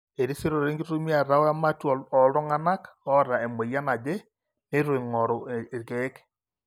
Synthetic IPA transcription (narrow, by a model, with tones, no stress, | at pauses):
e˨ɾi˦se˦ɾo˨ɾe˦ŋɡi˦ɾu˦mi˦a˨ɾa˦wa˦ma˦tɔ˨lɔ˨lɔ˦ŋa˦na˦kɔ˦ɾa˨e˨me˨ja˦na˨d͡ʒe˦ | ne˦ɾe˨ŋɔ˨ɾɔ˨e˨ɡe˦k